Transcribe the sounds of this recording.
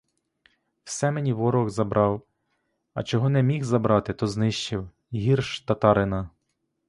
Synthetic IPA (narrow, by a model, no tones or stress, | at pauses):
wsɛmenʲiʋɔɾɔɣzɐbɾɑw | ɐ̰t͡ʃɔɦɔnɛmʲixzɐbɾɑt̪ɪt̪ɔznɪʃt͡ʃɪw | ɦʲirʃt̪ɐt̪ɑɾɪnɐ